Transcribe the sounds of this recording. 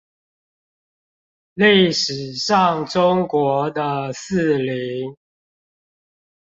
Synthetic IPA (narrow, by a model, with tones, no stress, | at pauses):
li˥˩ɪʂɻ̩˨˦ʂɑ˥˨ŋʈ͡ʂʊ˦ŋkwɔ˨˧˥d̪ə˧s̩˥˨li˨˦ŋ